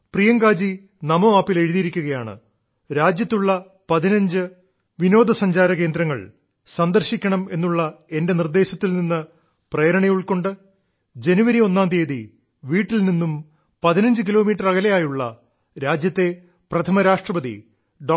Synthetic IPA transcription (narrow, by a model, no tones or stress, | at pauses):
prijɐŋɡaːd͡ʑi | nɐmoaːpːile̞ɻiðijiɾikʲːuɣɐjaːɳɨ̰ | ɾaːd͡ʑjɐt̪ːuɭːɐ | pɐðinɐɲd͡ʑɨ | ʋino̞ːd̪ʱɐsɐɲd͡ʑaːɾɐke̞ːnd̪ɾɐŋːɐ̰ɭ | sɐnd̪ɐrɕikʲːɐɳɐme̞nːuɭːɐe̞nde̞nird̪e̞ːɕɐt̪ːilninːɨ | preːɾɐɳɐjuɭko̞ɳɖɨ | d͡ʑe̞nuʋɐɾio̞nːaːnd̪iːði | ʋiːʈːilninːum | pɐðinɐɲd͡ʑɨk̬ilo̞ːmiːʈːɐrɐɣɐlɐjaːjuɭːɐ̰ | ɾaːd͡ʑjɐt̪ːe̞ | prɐt̪ʰɐmɐɾaːʂʈrɐpɐðḭ | ɖoː